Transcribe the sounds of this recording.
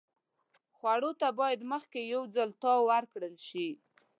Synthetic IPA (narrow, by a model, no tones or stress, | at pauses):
xwaɽot̪abɑjad̪məxkejawd͡zalt̪ɑwaɾkɽəlʃi